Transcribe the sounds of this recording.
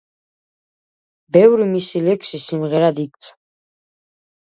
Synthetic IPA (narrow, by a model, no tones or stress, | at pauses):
bɛvɾimisilɛkʰsisimʁɛɾad̪ik̚ʼt̪sʰʼ